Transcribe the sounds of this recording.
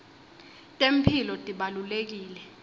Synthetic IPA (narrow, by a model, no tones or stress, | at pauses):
tʼem̩pʰilɔtʼiɓalulek̬iːlɛ